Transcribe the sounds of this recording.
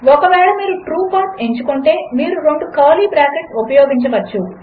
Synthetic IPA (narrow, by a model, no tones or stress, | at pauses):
ɔkɐʋɛːɭɐmiːɾuʈɾuːpʰaːse̞ɲt͡ʃukuɳʈe̞ːmiːɾuɾo̞ɳɖukɐːliːbɾaːkeʈsupɐjoːɡiɲt͡ʃɐʋɐt͡ʃːu